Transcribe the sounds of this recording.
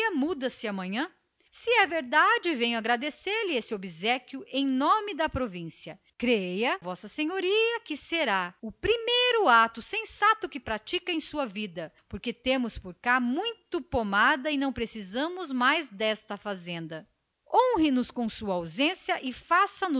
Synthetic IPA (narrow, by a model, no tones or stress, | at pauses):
ɐmud̪ɐsɪɐmɐ̃ɲɐ̃ | sɪɛveɾd̪ad͡ʒɪvẽjɲʊaɡɾad̪eseɾlɪesɪobizɛkʲjʊʔẽj̃nõmɪd̪ɐpɾovĩsiɐ | kɾejɐvɔsɐsẽɲoɾiɐkɪseɾaʊpɾimejɾʊat̪ʊsẽsat̪ʊkɪpɾat͡ʃikɐẽj̃suɐvid̪ɐpoɾket̪ẽmʊspoɾkamũj̃t̪ʊpomad̪ɐɪnɐ̃w̃pɾesizɐ̃mʊzmajzd̪ɛst̪ɐfazẽnd̪ɐ | õw̃ɦɪ̃nʊskõsuɐawzẽsjɐʔɪfasɐnʊ